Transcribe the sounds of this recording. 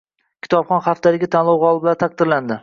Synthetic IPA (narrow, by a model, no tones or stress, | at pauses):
kʲʰɪ̥t̪ʰɒpχɒnχaft̪alɪɡʲɪt̪ʰanlˠɒwʁɒlˠɪbɪlant̪ʰaq̚d̪ɪɾland̪ɪ